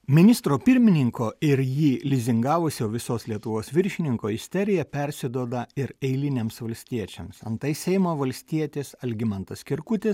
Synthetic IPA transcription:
mʲɪnʲɪst̪ɾoːpʲɪɾʲmʲɪnʲɪŋkoːɪɾjiːlʲɪzʲɪŋɡɑːʋʊsʲɛːʋʲɪsoːslʲiɛt̪ʊʋoːsʋʲɪɾʲʃʲɪnʲɪŋkoːɪsʲt̪ʲɛɾʲɪjɛpʲɛɾʲsʲɪd̪uɔːd̪ɐɪɾɛɪlʲɪnʲeːmsʋɐlʲsʲt̪ʲiɛt͡ʃʲɛmsɐ̰nt̪ɐɪsʲɛɪmoːʋɐlʲsʲt̪ʲiɛt̪ʲeːsɐlʲɡʲɪmɐnt̪ɐskʲɪɾkʊt̪ʲes

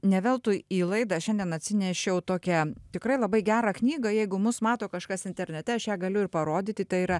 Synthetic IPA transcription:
nʲɛʋʲɛlˠt̪uiːlˠɐɪd̪ɑʃʲɛnʲd̪ʲiɛnɐt̪ʲsʲɪnʲɛʃʲɛʊt̪oːkʲɛt̪ʲɪkɾɐɪlˠɐbɐɪɡʲæːɾɑːknʲiːɡɐjɛɪɡʊmʊsmɑːt̪oːkɐʃkɐsɪnʲt̪ʲɛɾʲnʲɛt̪ʲɛɐʃjæːɡɐlʲʊɪɾpɐɾoːd̪ʲɪt̪ʲɪt̪ɐiːɾɐ

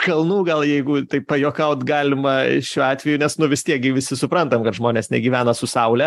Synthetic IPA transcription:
kɐlˠnuːɡɐlˠjɛɪɡʊt̪ɐɪppɐjoːkɐʊt̪ɡɑːlʲɪmɐʃʲuːɑːt̪ʲʋʲɛjʊnʲɛsnʊʋʲɪst̪ʲiɛk̚ɡʲɪʋʲɪsʲɪsʊpɾɐnt̪ɐmkɐt̪ʒmoːnʲeːsnʲɛɡʲiːʋʲæːnɐsʊsɐʊlʲɛ

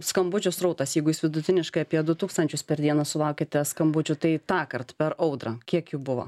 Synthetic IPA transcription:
skɐmbʊt͡ʃʲʊsɾɐʊt̪ɐsjɛɪɡʊjɪsʋʲɪd̪ʊt̪ʲɪnʲɪʃkɐɪɐpʲiɛd̪ʊt̪uːkst̪ɐnʲt͡ʃʲʊspʲɛɾd̪ʲiɛnɐsʊlˠɐʊkʲɪt̪ʲɛskɐmbʊt͡ʃʲʊt̪ɐɪt̪ɑːkɐɾt̪pʲɛɾɐʊd̪ɾɐkʲiɛkjuːbʊʋo̰

